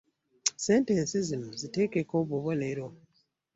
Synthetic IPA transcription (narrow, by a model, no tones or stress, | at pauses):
se̞ːntensizinozite̞ːkeko̞βuβo̞neɾo